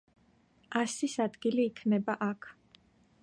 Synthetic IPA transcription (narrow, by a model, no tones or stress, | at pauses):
asisad̪ɡiliːkʰnɛbaʔakʰ